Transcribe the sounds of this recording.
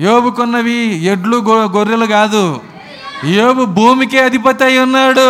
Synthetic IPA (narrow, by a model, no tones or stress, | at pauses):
joːbukonːɐʋieɖluɡɡoɾːelɐɡaːd̪u | joːbubʱuːmikeɐd̪ʱipɐt̪ːɐjinːaːɽu